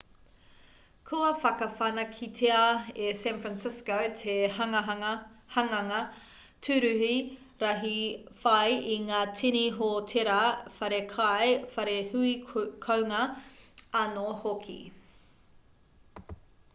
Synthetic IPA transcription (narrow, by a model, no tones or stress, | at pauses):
kʰuɐfɐkɐfɐnɐkʰitʰeɐesɛnfɾansɪskowtʰehɐɐhɐŋɐŋɐ | tʰʉɾʉɦi | ɾɐɦifɐjiŋaːtʰiniɦotʰeɾɐfɐɾekʰɐjfɐɾehʉikʰowŋɐ | ɐnohokʰḭ